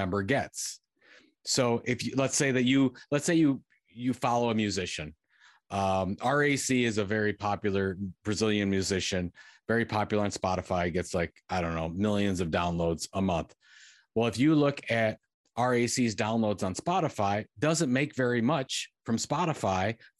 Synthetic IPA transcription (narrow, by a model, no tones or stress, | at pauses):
ɛ̃mbə˞ɡɛtsː | oʊʔɪfjɨlətseɪðɨt͡ʃɨlətseɪjɨ | jɨfɑlˠoʊəmjʉzɪʃɨ̃n | ʔʌ̃mɑɹeɪsiɪzəvɛɹipʰɑpjl̩ˠə˞b̥ɹɨzɪlˠjɨ̃nmjʉzɪʃɨ̃nvɛɹipʰɑpjl̩ˠə˞ɨ̃nspɑɾɨfaɪɡɛtslaɪkaɪdõʊ̃nːoʊmɪlˠjɨ̃nzʌvdãʊ̃nloʊdz̥əmʌ̃nθ | wɛlˠəfjɨlʊkʰɨɾ | ʔɑɹeɪsizdãʊ̃nloʊdzn̩spɑɾəfaɪdʌzɨ̃nmeɪkv̥ɛɹimʌt͡ʃfɹʌ̃mspɑɾəfaɪ